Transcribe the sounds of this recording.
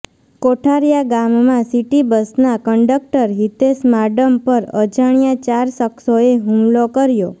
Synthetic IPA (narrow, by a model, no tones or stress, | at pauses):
koʈʰaɾjaɡamːãsiʈibəsnakəɳɖək̚ʈəɾɦit̪esmaɖəmpəɾə̰d͡ʒaɳijãt͡ʃaɾsəksoeɦũmlokəɾjo